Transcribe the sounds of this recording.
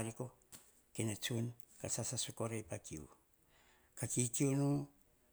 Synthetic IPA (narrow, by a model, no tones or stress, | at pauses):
ɾiko | kenet͡ʃun | kasasasukoɾejpakiṵ | kakikiunu